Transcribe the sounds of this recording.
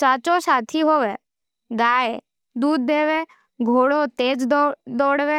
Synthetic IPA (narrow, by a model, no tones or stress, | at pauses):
t͡ʃaːt͡ʃoːʃaːt̪ʰiɦoːʋeː | ɡaːe | d̪uːd̪̚ːeːʋeː | ɡʱoːɽoːt̪eːd͡ʒd̪ɔːɽʋeː